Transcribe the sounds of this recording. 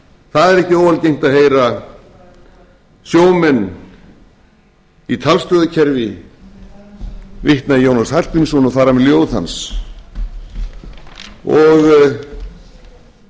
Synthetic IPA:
θaðɛɾɛhcɪoːvalcejŋ̥t̪aðɦeːjɾa | sjoːwmɛnː | it̪ʰalst̪œðacʰɛɾvɪ | vɪht̪naðjownashḁpinsɔnɔθaɾamɛðljoːwðθha̰ns | ɔɣ

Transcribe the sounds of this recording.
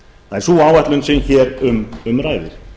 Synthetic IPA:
θaðɛɾ̥suːaːwvɛht̪lʏnsɪnçɛːɾʏmʏmɾaːjðɪɾ̥

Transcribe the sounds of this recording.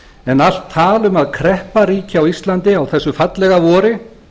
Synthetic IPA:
ɛnal̥t̪ʰːaːlʏmaðkʰɾɛhpaɾiːcɪawist̪lant̪ɪawθɛsːʏfat̪lɛɣavɔːɾɪ

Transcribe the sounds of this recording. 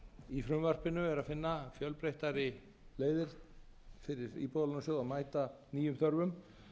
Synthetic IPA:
ifɾʏmvar̥pɪnʏɛɾaðfɪnːafjœlpɾejht̪aɾɪ | leːjðɪɾ̥ | fɪɾɪɾḭːpoðalnsjowamaːjt̪aniːjʏmθœɾvʏm

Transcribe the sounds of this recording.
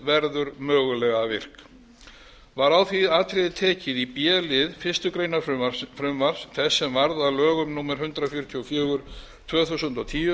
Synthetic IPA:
vɛɾðʏɾmœːɣʏlɛɣavɪr̥k | vaɾawθiðaːt̪ʰɾɪðɪt̪ʰɛːcɪðipjɛːlɪðfɪ̥st̪ʏkɾejnafɾʏmvaɾ̥sθɛsːɛmvaɾðalœːɣʏmnuːmaɾ̥hʏnt̪ɾafjʏɾʏt̪ʰiɔfjœːɣʏɾ̥ | t̪ʰvœːθusʏnt̪at̪ʰiːʏ

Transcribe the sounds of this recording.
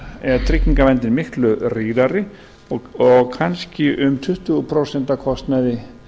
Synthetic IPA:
ɛɾt̪ʰɾɪkniŋkavɛnt̪ɪnmɪhklʏriːðaɾɪ | ɔɣkʰanscɪʔʏmt̪ʰʏht̪ʏpʰɾɔsɛn̥t̪akʰɔst̪naðɪ

